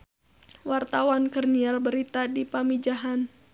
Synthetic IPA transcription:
wart̪awankərniarbəɾit̪adipamid͡ʒaɦan

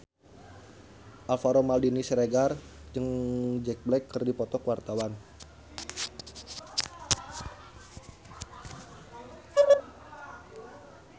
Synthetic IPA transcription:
ʔalfaɾomaldinisɾeɡard͡ʒɨŋd͡ʒɛk̚blɛkːərdipɔt̪ɔkwart̪awan

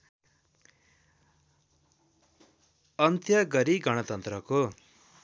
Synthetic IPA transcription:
ʌnt̪jʌɡʌɾiɡʌɽ̃ʌt̪ʌnt̪rʌko

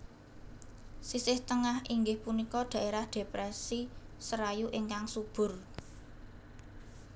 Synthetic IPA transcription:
sisɪht̪əŋahiŋɡɪhpunikɔd̪̥ä̤ʔeɾahd̪̥e̤pɾɛsisəɾajuʔɪŋkaŋsub̥ʊ̤r

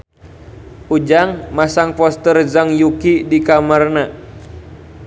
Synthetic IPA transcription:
ʔud͡ʒaŋmasaŋpɔst̪ərzaŋjukidikamarna

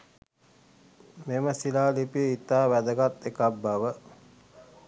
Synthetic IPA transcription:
meməsilaːlipiəit̪ːaːʋæd̪əɡat̪ːekabːaʋə

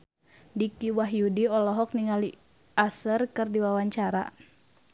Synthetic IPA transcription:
dikiwaɦjudiɔlɔɦɔk̚niŋali | asərkɨrdiwawaɲt͡ʃaɾa̰

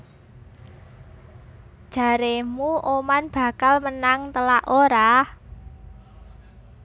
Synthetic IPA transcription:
d̥ʒ̥ä̤ɾemuʔomanb̥ä̤kalmənaŋt̪əlaʔoɾah

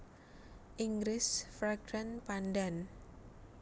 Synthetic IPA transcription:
ʔiŋɡɾɪsfɾaɡɾanpandan

